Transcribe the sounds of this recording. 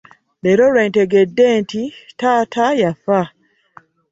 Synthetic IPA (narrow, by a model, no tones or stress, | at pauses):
eɾolwe̞ːnteɡe̞dːe̞ːntitaːtʰajafa